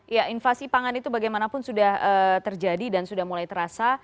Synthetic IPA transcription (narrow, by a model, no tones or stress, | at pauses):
jaʔinfasipaŋanit̪ubaɡajmanapʊnsudahət̪ərd͡ʒadidansudahmulajt̪əɾasa